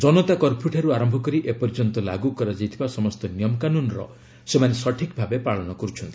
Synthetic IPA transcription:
d͡ʒɔnɔt̪akɔɾpʰjuʈʰaɾuaɾɔmbʱɔkɔɾiʔepɔɾd͡ʒɔnt̪ɔla̰ɡukɔɾad͡ʒajt̪ʰibasɔmɔst̪ɔnijɔmkanunɾɔ̰ | semanesɔʈʰikbʱabepaɭɔnɔkɔɾut͡ʃʰɔnt̪ʰi̥

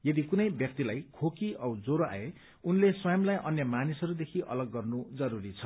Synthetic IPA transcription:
jʌd̪ikunʌjbjʌk̚t̪ilajkʰokiʔʌwd͡zoɾoa̰e | unleswʌjʌmlajʔʌnjʌmanisʌɾud̪ekʰiʔʌ̰lʌɡːʌrnud͡zʌɾuɾit͡sʰʌ

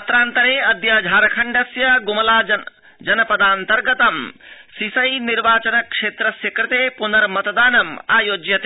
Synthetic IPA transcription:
ɐt̪ɾaːnt̪ɐɾeːɐd̪jaːd͡ʒʱaːɾɐkʰɐɳɖɐsjɐɡumɐlaː | d͡ʒɐnɐpɐd̪aːnt̪ɐɾɡɐt̪ɐmsisɐjniɾʋaːt͡ʃɐnɐkʂeːt̪ɾɐsjɐkɾɪt̪eːpunɐɾmɐt̪ɐd̪aːnɐmaːjoːd͡ʒjɐt̪eː

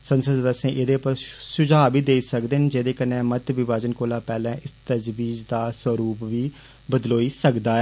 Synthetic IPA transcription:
sənsəd̪d̪əsẽːʔɪd̪eːpəɾʃʊd͡ʒaːʋiːd̪eːiːsəkd̪eːɦnd͡ʒeːd̪eːkənːẽːmət̪ʋɪʋaːd͡ʒənkoːlaːpɛːlɛ̃ːʔɪst̪əd͡ʒʋiːd͡ʒd̪aːswəɾuːpʋiː | bəd̪loːiːsəkd̪aːɛː

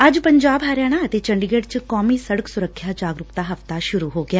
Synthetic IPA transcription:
ɐd͡ʒpəɲd͡ʒaːbɦaːɾjaːɽ̃aət̪eːt͡ʃə̃ɳɖɪɡeːʈt͡ʃkɔːmiːsəɽəksʊɾəkʰːjaːd͡ʒaːɡɾʊkt̪aɦɐft̪aʃʊɾuɦoːɡɪjaː

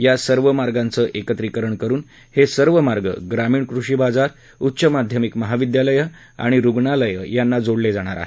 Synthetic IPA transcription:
jasəɾʋəmaɾɡãnt͡səʔekət̪ɾikəɾəɳkəɾuːn | hesəɾʋəmaɾɡə̰ɡɾamiːɳkɾuʂibad͡zaɾ | utːɕəmad̪ʱjəmikməɦaʋid̪jaləjə | a̰ɽ̃iɾuɡɳaləjə̰janːad͡zoɽled͡zaɽ̃a̰ɾa̰ɦe

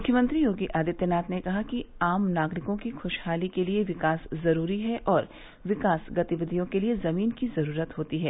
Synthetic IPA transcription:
mʊkʰːjəmɐ̃nt̪ɾijoːɡiʔaːd̪ɪt̪jənaːt̪nekɐɦakiaːmnaːɡɾɪkõkixʊʃhaːlikelieʋɪkaːszɐɾuːɾiɦɛʔɔːɾ | ʋɪkaːsɡɐt̪iʋɪd̪ʱijõkeliezɐmiːnkizɐɾuːɾət̪ɦoːt̪iɦɛː

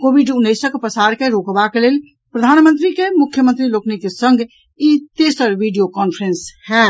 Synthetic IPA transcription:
kobiɖunːəɪsəkpɾəsaɾkeɾokbakelel | pɾəd̪ʱanmənt̪ɾikemukʰːjəmənt̪ɾiloknikesəŋɡʱ | it̪esəɾʋʱiɖijokɔnpʰɾenshɛ̃

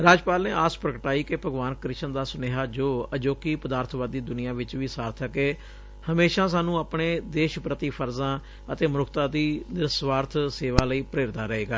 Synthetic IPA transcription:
ɾaːd͡ʒpaːlneːʔaːspɾəkəʈaːiːkepəɡʋaːnkɾɪʃənd̪aːsʊneːɦaːd͡ʒoːəd͡ʒoːkiːpəd̪aːɾt̪ʰʋaːd̪ːiːd̪ʊnɪjãːʋɪt͡ʃʋiːsaːɾt̪ʰəkeː | həmeːʃãːsaːnũːaːpɳeːd̪eːʃpɾət̪iːpʰəɾzãː | ət̪eːmɾʊkʰt̪ãːd̪iːnɪɾsʋaːɾt̪ʰseːʋaːləiːpɾeːɾd̪aːɾəɦeːɡaː

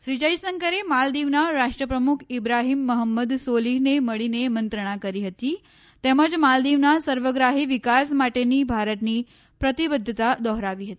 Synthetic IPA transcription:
ɕɾid͡ʑəjsəŋkəɾemald̪iʋnaɾaʂʈɾəpɾəmukʰibɾaɦiːmːəɦəmːəd̪soliɦneməɭinemənt̪ɾəɽ̃akəɾiːɦət̪iː | t̪eməd͡zmald̪iʋnasəɾʋəɡɾaɦiːʋikasmaʈeniːbʱaɾət̪niː | pɾət̪ibəd̪ʱːət̪ad̪ɔɦɾaʋiːɦət̪i̥

